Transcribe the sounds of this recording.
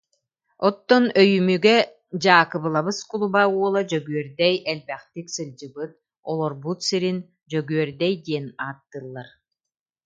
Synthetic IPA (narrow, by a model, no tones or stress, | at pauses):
ɔt̪ːɔnœjymyɡɛ | d͡ʑaːkɯbɯlˠabɯskulˠubauɔlˠad͡ʑœɡyœɾd̪ɛjɛlbɛχt̪iksɯlʲd͡ʑɯbɯt̪̚ | ɔlˠɔɾbut̪siɾin | d͡ʑœɡyœɾd̪ɛjd̪iɛnaːt̪ːɯlˠːaɾ